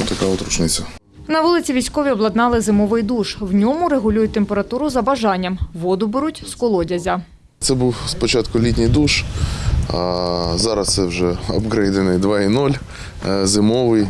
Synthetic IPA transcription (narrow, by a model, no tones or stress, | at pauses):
t̪ɐkaʊt̪ɾʊt͡ʃnɪt͡sʲɐ | nɐʋulˠɪt͡sʲiʋʲijsʲkɔʋʲiɔblˠɐd̪nɑlˠɪzɪmɔʋɪjd̪uʃwnʲɔmʊɾeɦʊlʲujʊt̚ʲt̪empeɾɐt̪uɾʊzɐbɐʒɑnʲːɐmʋɔd̪ʊbeɾutʲskɔlˠɔdʲɐzʲɐ | t̪sɛbuwspɔt͡ʃɑt̪kʊlʲitʲnʲijd̪uʃ | zɑɾɐst̪sɛwʒɛɔbɡɾɛjd̪ɛnɪjd̪ʋɑinɔlʲ | zɪmɔʋɪj